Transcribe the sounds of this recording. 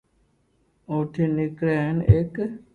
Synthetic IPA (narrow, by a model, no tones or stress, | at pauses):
oːʈʰeːnɪkɾaːnek